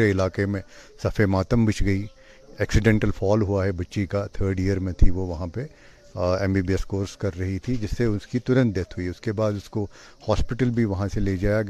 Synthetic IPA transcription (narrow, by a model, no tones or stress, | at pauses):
eɪlaːkemẽsɐfemaːt̪əmbɪt͡ʃʰɡɐi | ɛːksɪɖɛ̃ːɳʈəlfʰɔːlɦuaɦɛbɐtːʃikat̪ʰəːɾɖɪjəɾmẽt̪ʰiʋoʋɐɦãpe | ɛ̃ːmbiːbiɛskoːɾskɐɾːɐɦit̪ʰid͡ʒɪsːeʊskit̪ʊɾə̃nt̪̚d̪et̪ɦʊiʊskebaːd̪ʊsko | hɔːspɪʈəlbʱiʋɐɦãseleːd͡ʒaːja